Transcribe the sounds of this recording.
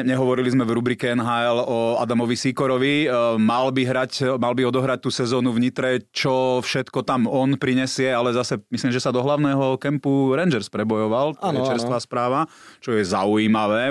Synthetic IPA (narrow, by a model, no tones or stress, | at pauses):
ɲɛɦɔʋɔɾilizmɛʋɾubɾiːkɛɛnɦaːɛlɔa̰d̪amɔʋisiːkɔɾɔʋimalbiɦɾacmalbiɔd̪ɔɦɾac̚t̪uːsɛzɔːnuvɲit̪ɾɛt͡ʃɔfʃɛt̪kɔt̪amɔnpɾiɲɛsɪɛalɛzasɛmisliːmʒɛsad̪ɔɦlaʊnɛːɦɔkɛmpuɾɛnd͡ʒɛɾspɾɛbɔjɔʋalɛt͡ʃɛɾst̪ʋaːspɾaːʋa | t͡ʃɔjɛzaujiːmaʋɛː